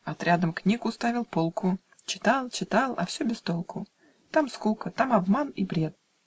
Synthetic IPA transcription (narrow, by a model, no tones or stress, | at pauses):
ɐt̪ɾʲad̪əmknʲikʊst̪avʲɪlˠpolˠkʰʊ | t͡ɕɪ̥t̪alˠt͡ɕɪt̪alˠɐ̰fsʲɵbʲɪst̪olˠkʊ | t̪amskulˠkət̪amɐbmanibɾʲe̞t̪̚